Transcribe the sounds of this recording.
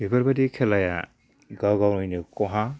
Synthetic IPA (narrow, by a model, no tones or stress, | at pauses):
bibaɾbadikʰɛlaja̰ | ɡawɡawnɔjnɯkɔɦa